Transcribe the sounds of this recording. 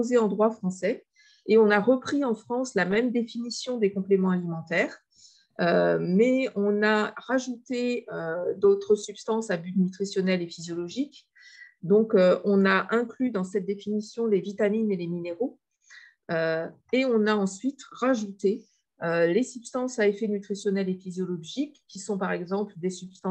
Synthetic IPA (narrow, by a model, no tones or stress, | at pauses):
ozeɑ̃d̪ʁwafχɑ̃sɛ | eɔ̃naʁəpχiɑ̃fχɑ̃slamɛmd̪efinisjɔ̃d̪ekɔ̃plemɑ̃alimɑ̃t̪ɛːʁ | ømɛɔ̃naʁaʒut̪eød̪ot̪χəsypst̪ɑ̃sabyt̪nyt̪χisjɔnɛlefizjɔlɔʒik | d̪ɔ̃køɔ̃naʔɛ̃klyd̪ɑ̃sɛt̪̚d̪efinisjɔ̃levit̪aminelemineʁo | ø | eɔ̃naɑ̃sɥit̪ʁaʒut̪e | ølesybst̪ɑ̃saefɛnyt̪χisjɔnɛlefizjɔlɔʒikːisɔ̃paʁɛɡzɑ̃pld̪esybst̪ɑ̃